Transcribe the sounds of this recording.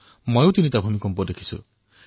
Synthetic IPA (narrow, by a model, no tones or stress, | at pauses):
mɔewt̪init̪abʱumikɔmpɔd̪ekʰi̥sṵ